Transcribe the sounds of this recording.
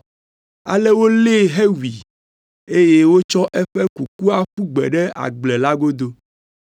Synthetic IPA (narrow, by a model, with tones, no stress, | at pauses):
a̰˨lɛ˦wo˦le˦˨ɦe˦wi˨ | e˦je˦wo˦t͡ʃɔ˦ʔɛ˦ɸɛ˦ku˨ku˦a˦ɸu˦ɡ͡bɛ̰˨ɖɛ˦a̰˨ɡ͡blɛ˨la˦ɡo˦d̪o˦